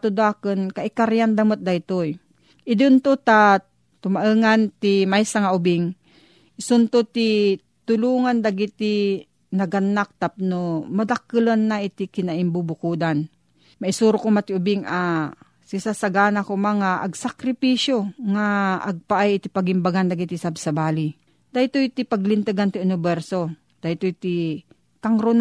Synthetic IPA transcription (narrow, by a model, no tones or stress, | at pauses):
t̪ʊd̪aːkɨnkaʔɪkaɾjand̪amot̪̚d̪ajt̪oj | ʔɪd̪ʊnt̪ot̪a | t̪ʊmaʔɨːŋant̪imajsaŋaʊbɪŋ | ɪsʊnt̪ot̪i | t̪ʊluːŋand̪aɡit̪i | nɐɡanːak̚t̪ap̚nomad̪akːɨlonːaɪt̪ɪkɪnaʔimbubʊkuːd̪an | mɐʔɪsuːɾokomat̪ɪʊbɪŋa | sɪsasɐɡaːnakomaŋaʔɐɡsakɾɪpiʃjoŋaʔɐɡ̚paʔajɪt̪ipɐɡɪmbaɡand̪ɐɡit̪isabsɐbaːli | d̪̥ajt̪oit̪ipɐɡlɪnt̪ɨɡant̪ɪʊnɪbɛɾso | d̪̥ajt̪ot̪i | kaŋɾon